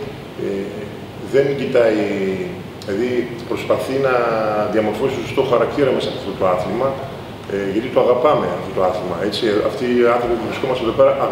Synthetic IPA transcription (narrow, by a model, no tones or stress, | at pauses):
e | ðe̞nɟit̪ɐi | eðipɾo̞spɐθinɐðiɐmo̞ɾfo̞sist̪osost̪o̞xɐɾɐkt̪iɾɐmesɐɐft̪o̞t̪o̞ɐθimɐ | ʝɐt̪it̪oɐɣɐpɐme̞ɐft̪o̞t̪o̞ɐθimɐ̰e̞t͡siɐ̰ft̪iɐnθɾo̞pipuvɾisko̞mɐseðo̞pe̞ɾɐʔ